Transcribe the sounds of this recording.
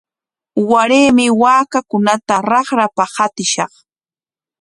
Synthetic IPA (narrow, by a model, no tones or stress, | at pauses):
waɾeːmɪwaːkakʊnat̪aɾɑχɾapahat̪ɪʃɑχ